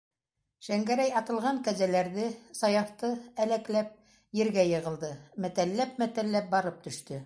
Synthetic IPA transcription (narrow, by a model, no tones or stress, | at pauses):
ʃæŋɡæɾæjɑt̪ɤ̆lˠʁɑŋkæzælæɾðɘsɑjɑht̪ɤælæklæp̚ | jɘ̆ɾɡæjɤ̆ʁɤ̆lˠd̪ɤmæt̪ælːæp̚mæt̪ælːæp̚bɑɾɤp̚t̪ɵ̆ʃt̪ɵ